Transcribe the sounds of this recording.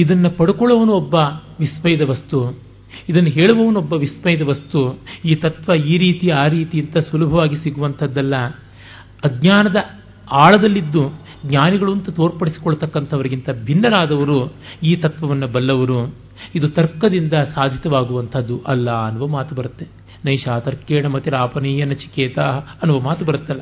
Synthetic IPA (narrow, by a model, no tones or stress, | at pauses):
id̪ɐnːɐpɐɽukɔɭːɐʋɐnuɔbːɐ | ʋismɐjɐd̪ɐʋɐst̪u | id̪ɐnːɐɦeːɭuʋɐʋɐnuɔbːɐʋismɐjɐd̪ɐʋɐst̪uiːt̪ɐt̪ʋɐiːɾiːt̪iaːɾiːt̪ijint̪ɐsʋulɐbʱɐʋaːɡisiɡuʋɐnt̪ʰɐd̪ːɐlːɐː | ɡɲaːnɐd̪ɐ | aːɭɐd̪ɐlːid̪ːu | ɡɲaːniɡɐɭunt̪ɐt̪oːɾpɐɽisi̥kɔɭːut̪ɐkːɐnt̪ʰɐʋɐɾiɡint̪ɐbʱinːɐɾaːd̪ɐʋɐɾuiːt̪ɐt̪ʋɐʋɐnːɐbɐlːɐʋɐɾu | id̪ut̪ɐɾkːɐd̪ind̪ɐsaːd̪ʱjɐt̪ɐʋaːɡuʋɐnt̪ʰɐd̪ːuʔɐlːɐɐnuʋɐmaːt̪ubɐɾɐt̪ːe | nɐjʃaːt̪ɐɾkːeːɳɐmɐt̪ːiɾaːpɐniːjɐnɐt͡ʃi̥keːt̪aːɐɐnuʋɐmaːt̪ubɐɾɐt̪ːɐlːɐ